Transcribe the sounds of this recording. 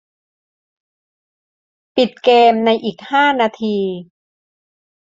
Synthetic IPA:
pi˨˩t̪̚keː˧mna˧jʔiː˨˩k̚haː˥˩naː˧t̪ʰiː˧

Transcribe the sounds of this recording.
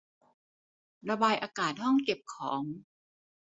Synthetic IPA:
ɾa˧baː˧jʔaː˧kaː˨˩t̪̚hɔ˥˩ŋke˨˩p̚kʰɔː˩˦ŋ

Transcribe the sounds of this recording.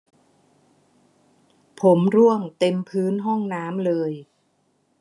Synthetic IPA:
pʰo˩˦mɾu˥˩əŋt̪e˧mpʰɯː˦˥nɦɔ˥˩ŋnaː˦˥mlɤː˧j

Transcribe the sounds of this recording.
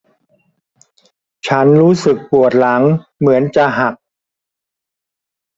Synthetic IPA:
t͡ɕʰa˦˥nɾuː˦˥sɯ˨˩k̚pu˨˩ət̪̚la˩˦ŋmɯ˩˦ənt͡ɕa˨˩ɦa˨˩k̚

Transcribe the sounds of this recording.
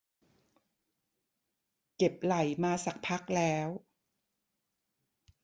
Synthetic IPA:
ke˨˩p̚la˨˩˦jmaː˧sa˨˩k̚pʰa˦˥k̚lɛː˦˥w

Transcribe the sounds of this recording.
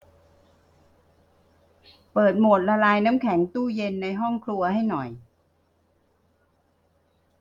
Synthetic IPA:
pɤː˨˩t̪̚mo˨˩t̪̚la˧laː˧jnaː˦˥mkʰɛ˩˦ŋt̪uː˥˩je˧nːa˧jɦɔ˥˩ŋkʰlu˧ɐha˥˩jnɔ˨˩j

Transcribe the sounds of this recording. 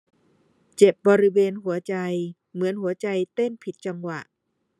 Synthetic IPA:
t͡ɕe˨˩p̚bɔː˧ɾi˦˥weː˧nɦu˨˩˦ɐt͡ɕa˧j | mɯ˩˦ənɦu˩˦ɐt͡ɕa˧jt̪e˥˩npʰi˨˩t̪̚t͡ɕa˧ŋwa˨˩ʔ

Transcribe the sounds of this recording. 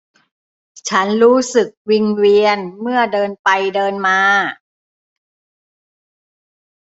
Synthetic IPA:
t͡ɕʰa˦˥nɾuː˦˥sɯ˨˩k̚wi˧nwi˧ənmɯ˥˩ɐdɤː˧npa˧jdɤː˧nmaː˧

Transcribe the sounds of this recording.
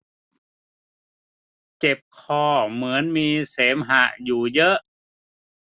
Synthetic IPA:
t͡ɕe˨˩p̚kʰɔː˧˩mɯ˩˦ənmiː˧seː˩˦mɦa˧˩ʔjuː˨˩jɤ˦˥ʔ

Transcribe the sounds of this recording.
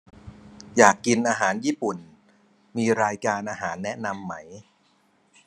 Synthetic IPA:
jaː˨˩kːi˧nʔaː˧ɦaː˩˦njiː˥˩pu˨˩n | miː˧ɾaː˧jkaː˧nʔaː˧ɦaː˩˦nːɛ˦˥ʔna˧mːa˦˥j

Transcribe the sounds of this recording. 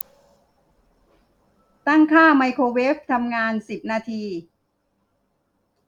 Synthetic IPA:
t̪a˥˩ŋkʰaː˥˩ma˧jkʰoː˧weː˦˥k̚t̪ʰa˧mŋaː˧nsi˨˩p̚naː˧t̪ʰiː˧

